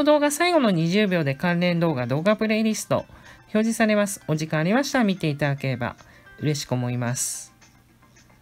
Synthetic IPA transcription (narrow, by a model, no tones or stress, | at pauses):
od̪o̞ːɡasaiɡo̞no̞ɲ̟iʑɨːbʲjo̞ːd̪e̞kãnɾẽ̞nd̪o̞ːɡad̪o̞ːɡapɯ̟ɾe̞iɾʲisɨ̥t̪o̞̰ço̞ːʑisaɾe̞masɨ̥o̞ʑikãɰ̃aɾʲimaɕi̥t̪amʲit̪e̞it̪ad̪ake̞ɾe̞ba̰ | ɯ̟ɾe̞ɕi̥kɯ̟omo̞imasɨ̥